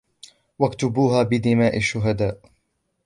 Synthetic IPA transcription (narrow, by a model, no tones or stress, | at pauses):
wakt̪ʊbuːɦaːbɪd̪ɪmaːʔaʃːʊɦad̪aːʔ